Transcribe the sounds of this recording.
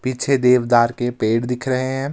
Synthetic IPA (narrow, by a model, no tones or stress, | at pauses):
pit͡ʃʰed̪eːʋd̪aːɾkepeːɽd̪ɪkʰɾəɦeɦɛ̃ː